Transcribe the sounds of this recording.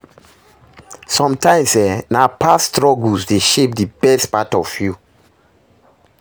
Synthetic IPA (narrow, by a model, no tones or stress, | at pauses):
sɔ̃mtãɪ̃msɛnapʰastɹɔɡlsdeʃep̚dibɛstpatɔfju